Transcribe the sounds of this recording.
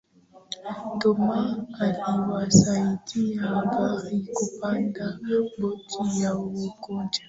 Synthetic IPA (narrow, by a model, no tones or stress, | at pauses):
tɔmaːliwasaitʰijaɡaɾikupandabotʰijawokod͡ʒḁ